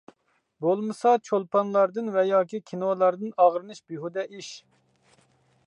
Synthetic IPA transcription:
bolˠmɨsɑt͡ʃʰolˠpʰɑnlˠɑɾd̪ɨnvɛjɑːkʲikʲʰinolˠɑɾd̪ɨnɑʁɾɨnɨʃbiɦud̪ɛʔiʃ

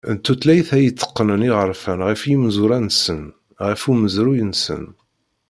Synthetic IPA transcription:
ənt̪ːut̪læjθæjit͡sːə̥qːənəniʁəɾˤfænʁifjimzuɾænsən | ʁifuməzɾujənsə̰n

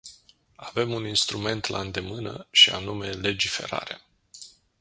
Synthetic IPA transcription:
ave̞muninst̪ɾume̞nt̪laɨnd̪e̞mɨnə̰ʃia̰nume̞le̞d͡ʒife̞̰ɾa̰ɾea

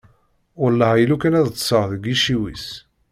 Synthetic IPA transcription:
ʊɾlːɑæjəlukænæðt͡sːsəʁðəɡiʃiwḭs

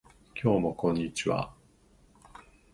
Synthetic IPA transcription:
kʲʰo̞ːmo̞kõ̞ɲ̟ːit͡ɕiβa̰

